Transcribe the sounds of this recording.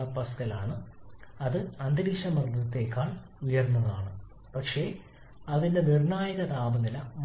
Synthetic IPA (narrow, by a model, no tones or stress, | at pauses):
ɐpːɐskɐlaːɳɨɐðɨɐnd̪iɽiːʂɐmɐrd̪ʱɐt̪ːe̞ːkːaːɭ | ujɐrnːɐðaːɳɨ | pɐkʂe̞ː | ɐðindenirnaːjɐɣɐd̪aːmɐnilɐm